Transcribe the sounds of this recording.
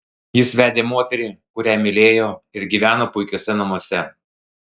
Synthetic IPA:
jɪsʋʲæːd̪ʲeːmoːt̪ʲɛɾʲiːkʊɾʲæːmʲɪlʲeːjoːɪɾɡʲiːʋʲæːnoːpʊɪkʲoːsʲɛnɐmuɔsʲɛ

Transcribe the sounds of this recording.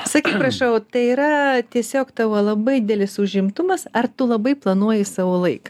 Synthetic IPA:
sɐkʲiːtpɾɐʃɐʊt̪ɐɪiːɾɐt̪ʲiɛsʲoːkt̪ɐʋɐlˠɐbɐɪd̪ʲɛlʲɪsʊʒʲɪmt̪ʊmɐsɐrt̪ʊlˠɐbɐɪplˠɐnuɔjɪsɑːʋoːlˠɐɪkɐ

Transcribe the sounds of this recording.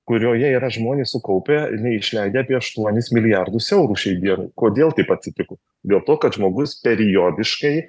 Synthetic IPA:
kʊɾʲoːjɛiːɾɐʒmoːnʲeːssʊkɐʊpʲeɪnʲɛɪɪʃʲlʲɛɪd̪ʲeːɐːpʲiɛɐʃt̪uɔnʲɪsmʲɪlʲɪjɑrd̪ʊsɛʊɾuːʃʲɛɪd̪ʲiɛnɐ̰ɪkoːd̪ʲeːlˠt̪ɐɪpɐtʲsʲɪt̪ʲɪkʊ | d̪ʲeːlˠt̪oːkɐt̪ʒmoːɡʊspʲɛɾʲɪjoːd̪ʲɪʃkɐɪ

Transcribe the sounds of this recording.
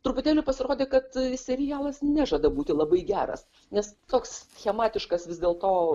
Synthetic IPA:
t̪ɾʊpʊt̪ʲæːlʲʊpɐsʲɪɾoːd̪ʲeːkɐt̪sʲɛɾʲɪjɑːlˠɐsnʲæːʒɐd̪ɐbuːt̪ʲɪlˠɐbɐɪɡʲæːɾɐ̰s | nʲɛst̪oːksxʲɛmɑːt̪ʲɪʃkɐsʋʲɪzd̪ʲeːlˠt̪oː

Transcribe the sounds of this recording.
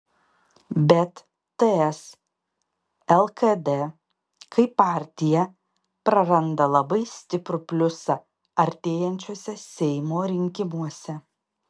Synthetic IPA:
bʲɛt̪ː | ɛɛs | ɛlˠkɐd̪ɛ | kʰɐɪpːɑːɾʲt̪ʲɪjɛ | pɾɐɾɐnd̪ɐlˠɐbɐɪsʲt̪ʲɪpɾʊpʲlʲʊsɐ | ɐɾʲt̪ʲeːjɛnʲt͡ʃʲuɔsʲɛsʲɛɪmoːɾʲɪŋʲkʲɪmuɔsʲɛ

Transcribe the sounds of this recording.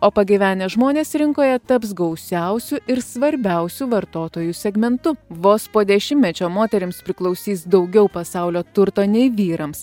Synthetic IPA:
oːpɐɡʲiʋʲæːnʲɛʒmoːnʲeːsɾʲɪŋkoːjɛt̪ɐps̬ɡɐʊsʲɛʊsʲʊʔɪɾsʋɐɾʲbʲɛˑʊsʲuʋɐɾt̪oːt̪oːjusʲɛɡmʲɛnt̪ʊʋoːspoːd̪ʲɛʃʲɪmʲmʲɛt͡ʃʲoːmoːt̪ʲɛɾʲɪmspʲɾʲɪklˠɒʊsʲiːsd̪ɒʊɡʲɛʊpɐsɑˑʊlʲoːt̪ʊɾt̪oːnʲɛɪʋʲiːɾɐms

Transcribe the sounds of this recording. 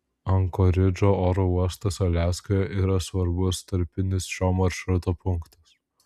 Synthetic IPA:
ɐŋkoɾʲɪd͡ʒoːoːɾouɔst̪ɐsɐlʲæːskojɛʔiːɾɐsʋɐɾbʊst̪ɐɾʲpʲɪnʲɪsʃʲoːmɐɾʃɾʊt̪oːpʊŋkt̪ɐs

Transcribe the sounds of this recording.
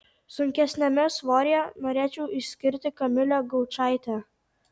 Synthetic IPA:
sʊŋʲkʲɛsʲnʲɛmʲɛsʋoːɾʲɪjɛnoːɾʲeːt͡ʃʲɛʊʔɪsʲkʲɪɾʲt̪ʲɪkɐmʲɪlʲɛɡɐʊt͡ʃɑˑɪt̪ʲɛ

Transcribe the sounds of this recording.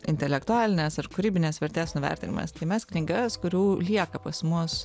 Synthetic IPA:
ɪ̰nʲt̪ʲɛlʲɛkt̪ʊɑːlʲɪnʲesɐrkʊɾʲiːbʲɪnʲeːsʋʲɛɾʲt̪ʲeːsnʊʋʲɛ̰ɾʲt̪ʲɪnʲɪ̰mʔɐ̰st̪ɐɪmʲɛskʲlʲɪŋɡʲɛskʊɾʲuːlʲiɛkɐpɐsmʊs

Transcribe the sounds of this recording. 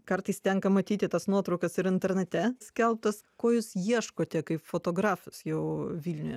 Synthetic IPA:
kɐɾt̪ɐɪst̪ʲɛŋkɐmɐt̪ʲiːt̪ʲɪt̪ɐsnuɔt̪ɾɐʊkɐsɪɾɪnʲt̪ʲɛɾʲnʲɛt̪ʲɛsʲkʲɛlˠp̚t̪ɐskoːjʊːsjiɛʃkoːt̪ʲɛkɐɪpfoːt̪oːɡɾɑːfʊsjɛʊʋʲiːlʲnʲʊjɛ

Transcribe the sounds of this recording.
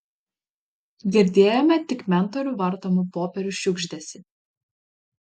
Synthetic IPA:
ɡʲɪɾʲd̪ʲeːjomʲɛt̪ʲɪkmʲɛnt̪ɔɾʲuːʋɐɾt̪oːmupoːpʲɛɾʲʊʃʲʊɡʒʲd̪ʲɛsʲɪ

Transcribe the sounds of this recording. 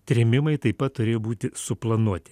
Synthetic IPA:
t̪ʲɾʲɪmʲɪmɐɪt̪ɐɪpɐt̪tːʊɾʲeːjoːbuːt̪ʲɪsʊplˠɐnuɔt̪ʲɪ̥

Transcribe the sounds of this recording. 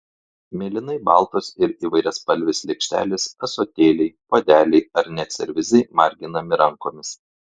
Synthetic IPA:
mʲeːlʲɪnɐɪbɑːˑlˠt̪oːsɪɾiːʋɐɪɾʲɛspɐlʲʋʲɪslʲɛkʃʲt̪ʲæ̰ːlʲɪsɐsoːt̪ʲeːlʲɛɪpoːd̪ʲæːlʲɛɪɐɾnʲɛt̪sʲɛɾʲʋʲɪzʲɛɪmɑːɾʲɡʲɪnɐmʲɪɾɐŋkoːmʲɪs

